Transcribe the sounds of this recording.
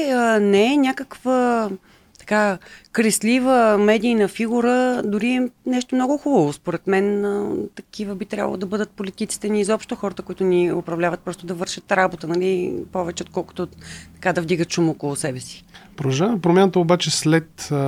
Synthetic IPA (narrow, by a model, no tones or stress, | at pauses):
nɛɛnʲjakəkvə | t̪ɐ̥kakɾɛslivəmɛd̪iːnəfiɡuɾəd̪ʊɾiɛnɛʃt̪omnɔɡʊxubəvospoɾɛt̪mɛnt̪ɐkivəbit̪ɾja̰b̰lˠo̰d̪ɐbɤd̪ət̪̚polit̪it̪si̥t̪ɛniːzɔpʃt̪oxɔɾət̪əkʊit̪ʊniʊpɾɐvlʲavət̪̚pɾɔst̪od̪ɐvɤɾʃət̪ɾabot̪ənɐlipɔvɛt͡ʃɛot̪kɔlˠko̥t̪ot̪ɐ̥kad̪ɐvd̪iɡət̪ʃumɔkolˠʊsɛbɛsi̥pɾod̪ɐʒavɐmɛpɾomjanət̪əobat͡ʃɛslɛt̪